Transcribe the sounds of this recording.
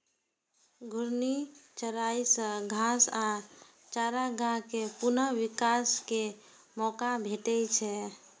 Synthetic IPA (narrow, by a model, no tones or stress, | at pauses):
ɡʱuɾnit͡ʃəɾaisə̃ɡʱasa | t͡ʃaɾaɡãkepunəwikaske | mɔkabʱeʈɛt͡ʃʰɛ